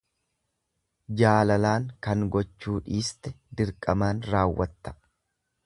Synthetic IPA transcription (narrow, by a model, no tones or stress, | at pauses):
d͡ʒaːlɐlaːŋkɐŋɡɔt͡ʃːuːᶑiːst̪ɛ | d̪ɪɾkʼɐmaːnɾaːwːɐt̪ːɐ̥